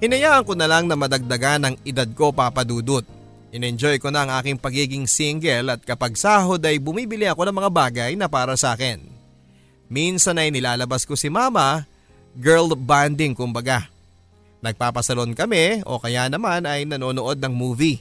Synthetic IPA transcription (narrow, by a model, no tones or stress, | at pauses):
hɪnɐjaːʔɐŋko̞nɐlaŋnɐmɐd̪ɐɡ̚d̪ɐɡanɐŋʔɪd̪ad̪̚ko̞paːpɐd̪uːd̪ot̪̚ | ʔɪnɛnd͡ʒo̞jkonɐʔɐŋʔaːkɪŋpɐɡiːɡɪŋsiŋɡɛlɐt̪̚kɐpɐɡ̚saːɦo̞d̪ɐjbʊmiːbɪlɪɐko̞nɐŋmɐŋabaːɡɐjnɐpaːɾɐsɐʔaːkɛn | minsɐnɐjnɪlaːlɐbasko̞sɪmaːmɐ | ɡɛɹlband̪ɪŋkʊmbɐɡa | nɐɡ̚paːpɐsɐlo̞nkɐmɛʔo̞̰kɐjanɐmanɐjnɐno̞ːnoʔo̞d̪̚nɐŋmuːvi